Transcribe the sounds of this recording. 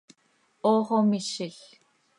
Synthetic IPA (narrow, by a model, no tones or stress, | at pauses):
oːʁomiʃiɬ